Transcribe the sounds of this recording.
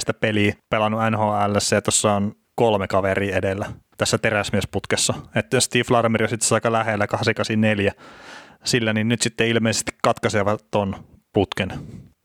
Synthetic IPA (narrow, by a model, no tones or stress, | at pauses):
st̪æpeliːpelɑnːuænhoːælːæsːæjɑt̪osːɑon | kolmekɑʋeriːedelːæt̪æsːæt̪eræsmiesput̪kesːɑet̪ːæst̪iːflɑrmerjosit̪ːe̥sɑikːɑlæhelːækɑhsikɑsinneljæ | silːæninnyt̪sit̪ːeilmeˑise̥st̪i̥kkɑt̪kɑseʋɑt̪onput̪ken